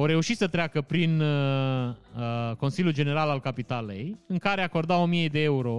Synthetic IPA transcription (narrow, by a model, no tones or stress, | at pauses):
oɾe̞uʃit̪sət̪ɾeakəpɾin | ko̞nsiljuld͡ʒe̞ne̞ɾalalkapit̪ale̞̰jɨŋkaɾe̞ako̞rd̪ao̞mije̞d̪e̞euɾo̞